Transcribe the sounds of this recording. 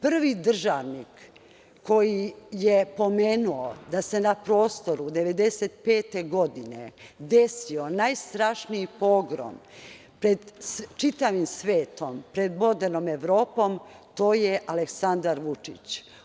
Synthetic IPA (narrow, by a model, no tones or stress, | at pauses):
pr̩ʋid̪r̩ʒaʋnikː | o̞jijepo̞me̞ːnuod̪ase̞napɾo̞ːst̪o̞ɾud̪eʋe̞d̪e̞set̪pe̞ːt̪e̞ɡo̞d̪inḛd̪e̞sionajst̪ɾaʃnijipo̞ːɡɾo̰m | pɾed̪t͡ʃit̪aʋimsʋeːt̪ompɾed̪mo̞d̪eɾnome̞ʋɾo̞ːpo̞mt̪o̞ːjeʔaleksand̪aɾʋut͡ʂit͡ɕ